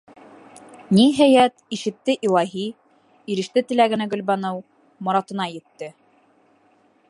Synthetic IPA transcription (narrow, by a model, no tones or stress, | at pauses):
niɦæjæt̪iʃɘ̆t̪ːɘʔilˠɑɦi | iɾɘ̆ʃt̪ɘt̪ɘ̆læɡɘ̆næɡɵ̆lβɑnɤw | mɑɾɑt̪ɤ̆nɑjɘ̆t̪ːɘ